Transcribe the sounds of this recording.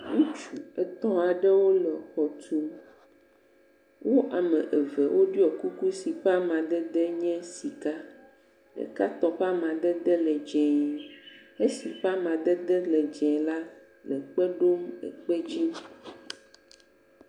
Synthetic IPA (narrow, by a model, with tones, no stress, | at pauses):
ŋũ˦t͡ʃu˨ɛ˨t̪ɔ̃˦a˨ɖɛ˦wo˦lɛ˨xɔ˨tu˨˦ | wo˦ʔa˨mɛ̃˨ʔe˨vɛ˨wʔo˦ɖi˦ɔ˨ku˦ku˦si˨ɸa˦mã˨d̪ɛ˦d̪ɛ˦ɲɛ̃˦si˨ka˦ | lḛ˨ka˦t̪ɔ˨ɸa˦mã˨d̪ɛ˦d̪ɛ˦lɛ˨d͡ʒɛ̃˨ | e˦si˨ɸa˦mã˨d̪ɛ˦d̪ɛ˦lɛ˨d͡ʒɛ̃˨la˦ | lɛ˨k͡pɛ˦ɖo˦mɛ̰˨k͡pɛ˦d͡ʑi˦